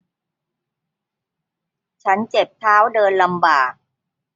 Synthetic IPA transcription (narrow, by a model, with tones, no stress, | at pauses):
t͡ɕʰa˦˥nt͡ɕe˨˩p̚t̪ʰaː˦˥˩wdɤː˧nla˧mbaː˨˩k̚